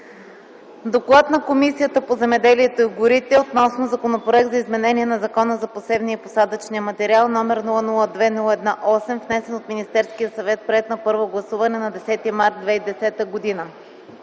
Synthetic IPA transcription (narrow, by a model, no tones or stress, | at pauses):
d̪oklˠat̪nɐkomisijət̪əpozɛmɛd̪ɛliɛt̪oiɡʊɾit̪ɛot̪nɔsnozɐkonopɾoɛk̚t̪zɐizmɛnɛniɛnɐzɐkɔnəzɐposɛbniəposad̪ət͡ʃniəmɐt̪ɛɾialˠnɔmɛɾnulˠənulˠəd̪vɛnulˠɛd̪naʔɔsɛmvnɛsɛnot̪minist̪ɛɾskijəsɐvɛt̪̚pɾɛɛt̪nɐpɤɾvoɡlˠɐsuvɐnɛnɐd̪ɛsɛt̪imaɾt̪̚d̪vɛid̪ɛsɛt̪əɡod̪inə